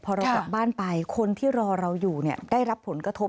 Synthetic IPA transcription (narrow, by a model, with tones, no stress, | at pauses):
pʰɔː˧ɾa˧wka˨˩˨p̚baː˥˩npa˧jkʰo˧nt̪ʰiː˥˩ɾɔː˧ɾa˧wjuː˨˩ni˥˩ɐdaː˥˩jɾa˦˥pʰːo˩˦nkɾa˧t̪ʰo˦˥p̚